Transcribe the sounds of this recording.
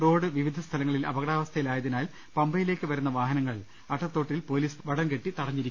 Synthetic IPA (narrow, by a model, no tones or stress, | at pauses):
ro̞ːɽɨʋiʋid̪ʱɐst̪ʰɐlɐŋːɐɭilɐ̰bɐɣɐɽaːʋɐst̪ʰɐjilaːjɐðinaːl | pɐmbɐjile̞ːkːɨʋɐɾunːɐʋaːɦɐnɐŋːɐɭ | ɐʈːɐt̪ːo̞ːʈːilpo̞ːliːsʋɐɽɐŋɡe̞ʈːit̪ɐɽɐɲːiɾikː